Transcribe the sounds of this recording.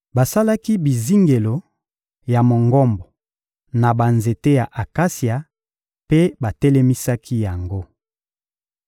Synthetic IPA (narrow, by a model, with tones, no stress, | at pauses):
ba˨sa˦la˦ki˦bi˨zi˦ŋɡe˨lo˨ | ja˨mo˨ŋɡɔ˦mbɔ˨ | na˨ba˨nze˨te˦ja˨ʔa˨ka˦si˨a˨ | pe˦ba˨tɛ˦lɛ˦mi˦sa˦kʰi˦ja˨ŋɡo˦